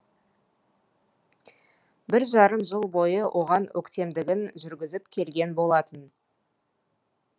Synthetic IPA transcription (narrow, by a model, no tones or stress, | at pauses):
bɪɾʒɑɾəmʒəlˠbo̞jəwʔo̞ʁɑnwʔɵ̰kt̪e̞md̪ɪɡʲɪnʒʏɾɡʲɪzɪpkʲʰe̞lɡʲe̞nbo̞lˠɑt̪ən